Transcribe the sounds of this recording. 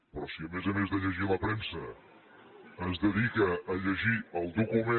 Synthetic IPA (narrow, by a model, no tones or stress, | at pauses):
pɾɔsiəmezəmezðəʎəʒiləpɾɛmsə | əzðəðikəːʎəʒiəlˠd̪ukume